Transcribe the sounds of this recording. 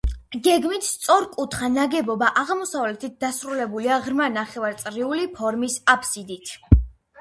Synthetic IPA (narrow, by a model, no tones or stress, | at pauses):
ɡɛɡmit̪ʰst̪sʼɔɾkʼut̪ʰχanaɡɛbɔbaʔaʁmɔsavlɛt̪ʰit̪̚d̪asɾulɛbuliaʁɾmanaχɛvaɾt̪sʼɾiulipʰɔɾmisapʰsid̪it̪ʰ